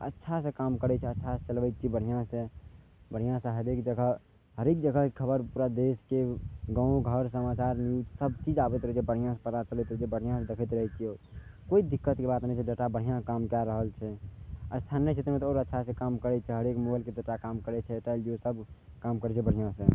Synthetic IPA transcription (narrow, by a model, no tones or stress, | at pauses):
ə̰tːʃʰasẽkamkəɾɛt͡ʃʰɛətːʃʰaset͡ʃəlʋɛt̪̚t͡ʃʰibəɽ̤ijãse | bəɽ̤ijãsẽɦəɾek̚d͡ʒəɡʱəɦ | ɦəɾek̚d͡ʒəɡʱəɦkekʰəbəɾpuɾad̪eskeɡə̃ũɡʱəɾsəmat͡ʃaɾnjusəb̚t͡ʃid͡ʒabɛt̪ɾəɦɛt͡ʃʰɛbəɽ̤ijãsepəd̪at͡ʃəlɛt̪ɾəɦt͡ʃʰibəɽ̤ijãsẽd̪ekʰət̪ɾəɦɛt͡ʃʰioɾkoid̪ikːət̪kebat̪nɛĩt͡ʃʰɛd͡ʒəʈabəɽ̤ijãkamkɛɾəɦəlt͡ʃʰɛəst̪ʰanjət͡ʃʰet̪ɾmet̪ɔoːɾətːʃʰasẽkamkəɾɛt͡ʃʰɛɦəɾekmobaɪlked͡ʒəʈakamkəɾɛt͡ʃʰɛt̪əld͡ʒiosəb | kamkəɾɛt͡ʃʰɛbəɽ̤ijãsẽ